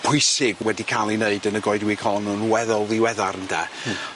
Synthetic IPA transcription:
pʰʊɨsɪɡwɛdikʰalˠineɨdənəɡɔɨdwiːkʰɔlˠɔnunwɛðɔlˠðiwɛðaɾəndɛ̰

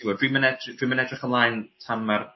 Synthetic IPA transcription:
diwɔdwimənɛdrd̥wimənɛdrɪχənlˠaːjntʰamːar

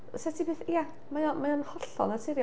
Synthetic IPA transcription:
sɛtʰipʰeːθia | majɔmajɔnhɔɬɔ̰natʰɪɾj

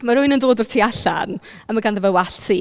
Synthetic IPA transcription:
maɾʊɨnəndoːdɔr̥tʰiaɬa̰n | əmaɡanðəvəwaɬtʰsi

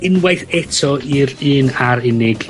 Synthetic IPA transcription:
ɪnwajθɛtʰɔiɾɨːnaɾɪnɪɡ̥

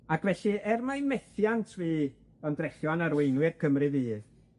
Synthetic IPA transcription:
akvɛɬiɛrmajmɛθjantʰviː | ɔndrɛɬjɔnaɾwejnwɪrkʰəmrɨðiː

